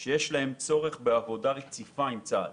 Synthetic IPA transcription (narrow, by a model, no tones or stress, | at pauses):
ʃejɛʃlahe̞mt͡so̞ʁeχbeavo̞dalekt͡sifaimt͡sad